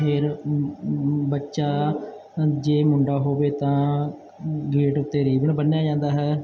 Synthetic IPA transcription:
ɦeːɾ | bətːʃaː | d͡ʒeːmʊɳɖaːɦoːʋeːt̪ãː | ɡiːʈʊt̪ːeːɾiːbəɳbənjaːd͡ʒãːnd̪aːɦɛː

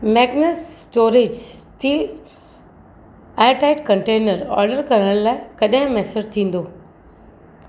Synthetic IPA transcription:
mɛːɡnessʈoːɾed͡ʑtiː | aːʈaɪʈkɐ̃ɳʈeːnəɾɔ̰ːɾɖəɾkɐɾəɽ̃laːɪkɐɗɦɪ̃mɛːsəd͡ʑt̪ʰĩːn̆d̪oː

